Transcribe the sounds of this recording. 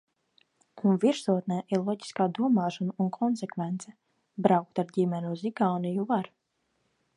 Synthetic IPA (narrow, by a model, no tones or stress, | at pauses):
unviɾsuɔt̪nɛjʔiɾlˠɔɟi̥skaːd̪uɔmaːʃɔnuunkʰɔnsɛkvɛnt̪sɛ | bɾawk̚t̪aɾɟʲimʲɛnʲuziɡaːnijuvaɾ